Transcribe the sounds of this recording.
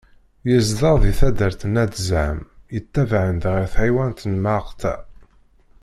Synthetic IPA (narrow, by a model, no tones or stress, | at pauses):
jəzðəɾˤðiθæd̪əɾθənæd̪zʕəmjət̪ːævʕənd̪ʁiθʕawænt̪nmaqt̪æ̰